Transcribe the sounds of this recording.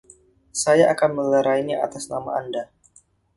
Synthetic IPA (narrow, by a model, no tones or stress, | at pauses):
sajaʔakanmələɾaiɲaa̰t̪asnama̰anda